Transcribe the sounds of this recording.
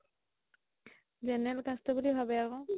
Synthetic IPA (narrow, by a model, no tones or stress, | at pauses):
zɛnɛlkastɔbulibʱabɛakɔ̃